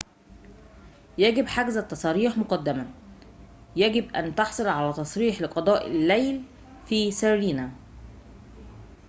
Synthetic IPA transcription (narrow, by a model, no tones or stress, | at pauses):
jæɡɪbħaɡzæt̪ːɑsˤɑːɾiːħmoqɑd̪ːɪmæ | jæɡɪbʔæ̰nt̪ɑħsˤolʕalæːt̪ɑsˤɾiːħlɪqɑd̪ˤɑːʔɪlːæjl | fiːsæɾɾiːnæ